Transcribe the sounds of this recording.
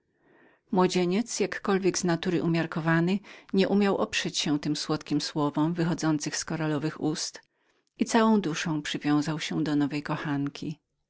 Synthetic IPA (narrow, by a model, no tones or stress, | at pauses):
mwɔd͡ʑeɲɛt̪sjakːɔlvʲjɛɡznat̪uɾɘʔumʲjaɾkɔvanɘɲɛʔumʲjawʔɔpʂɛt͡ɕɕɛ̃t̪ɘmswɔt̪kʲimswɔvɔmvɘxɔd̪zɔnt̪sɘxskɔɾalɔvɘxust̪ | it̪sawɔ̃w̃d̪uʂɔ̃w̃pʂɘvʲjɔ̃w̃zawɕɛd̪ɔnɔvɛjkɔxankʲʰi